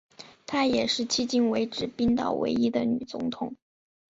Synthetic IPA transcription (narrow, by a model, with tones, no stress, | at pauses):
t̪ʰa˥jɛ˨˩ʂɻ̩˥˧t͡ɕʰi˥t͡ɕi˥˩nwe˧˥ɪʈ͡ʂɻ̩˨˩pi˥nt̪ɑ̰˥˩ʊwḛ˧˥ɪi˥d̪ə˨ny˨˩t͡sʊ̰˧˥ŋt̪ʰʊ˨˩˦ŋ